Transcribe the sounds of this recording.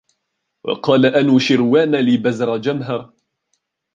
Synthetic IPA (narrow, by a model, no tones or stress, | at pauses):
wɑ̰qɑːlaʔanuːʃɪɾwaːnalɪbazɾˤɑd͡ʒamɦɑɾˤ